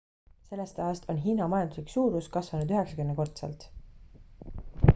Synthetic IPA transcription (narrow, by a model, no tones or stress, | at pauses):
se̞lːest̪ɑɑst̪ʰo̞nɦiːnɑmɑjɑnd̪usliksuːɾuskɑsvɑnud̪yɦe̞ksɑ̥kymnːeko̞rt̪sḛlt̪